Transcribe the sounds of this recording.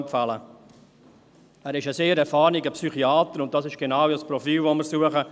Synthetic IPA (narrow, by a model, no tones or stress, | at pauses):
mpfalə | æːɾɪʃəseːɾɛɾfɑːɾniɡəpsyχiaːt̪əɾʊnt̚d̥ɑsɪʃɡ̥enawəspɾɔfiːlʋoməɾsuəχə